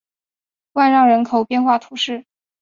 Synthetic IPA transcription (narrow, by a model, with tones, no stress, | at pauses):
wa˥˧nɻɑ˥˩ŋɻə˧˥nkʰo˨˩ʊpjɛ˥˧nxwa˥˩t̪ʰu˧˥ʂɻ̩˥˩